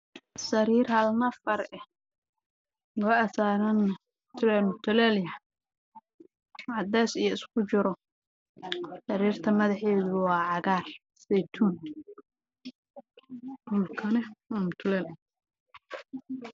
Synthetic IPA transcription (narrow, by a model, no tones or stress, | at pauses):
sɐɾiːrhɐlnɐfɐɾɛ | lɔːɐsaːɾɐn | t̪ʰʊlɛmʊt̪ʰʊlɛljɐ | ʕɑd̪ɛːsijɔɪskʰʊt͡ʃɪɾɔ | sɐɾiːrt̪ʰɐmɐðɐħɛːðʊwɑːʕɑɣaːr | sɛjt̪ʰuːn | duːlkʰɐnɛwaːmʊt̪ʰʊlɛːl